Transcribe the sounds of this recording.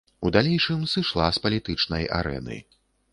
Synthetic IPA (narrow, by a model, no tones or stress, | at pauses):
ud̪alʲejʂɨmsɨʂlˠaspɐlʲit̪ɨt͡ʂnɐja̰ɾɛ̰nɨ̰